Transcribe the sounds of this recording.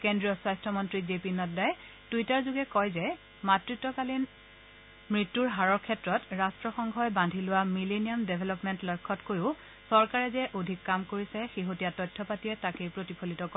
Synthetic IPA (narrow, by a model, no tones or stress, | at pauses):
kendɹiɔswajstʰɔmɔntɹizepinɔtdaj | tuitaɹzuɡɛkɔjzɛ | matɹitːɔkalin | mɹitːuɹɦaɹɔɹkʰɛtɹɔtɹastɹɔxɔŋɡʱɔjbandʱilʊwamilenijɔmdebʱɛlɔpmɛntlɔjkʰːɔtkojʊ | sɔɹkaɹɛzɛʔodʱikːamkoɹisɛxeɦotijatɔjtʰːɔpatiɛtakejpɹotipʰolitɔkɔ